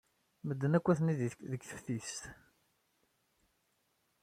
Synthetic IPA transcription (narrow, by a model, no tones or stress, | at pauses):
məd̪ːənækʷːæθniððəkːθə̥fθist̪